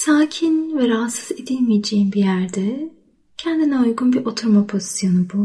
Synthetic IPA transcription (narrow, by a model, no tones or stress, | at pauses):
saːcʰinvɛɾaːsɯze̞d̪ilʲmijed͡ʒejimbijæɾd̪ɛ | cʰɛnd̪inɛujɡunbiɾʔo̞t̪ʰuɾmapʰo̞zi̥sjo̞nubu